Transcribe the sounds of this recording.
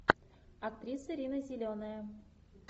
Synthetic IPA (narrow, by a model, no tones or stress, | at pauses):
ak̚t̪ɾʲisɨɾʲinəzʲilʲonəjə